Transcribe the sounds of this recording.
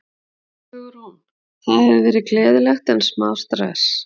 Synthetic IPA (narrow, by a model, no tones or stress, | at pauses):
ʏɣʏɾhun | θaðhɛvɪvɛːɾɪklɛːðɪlɛxt̪ɪnsmaːwst̪ɾɛ̰s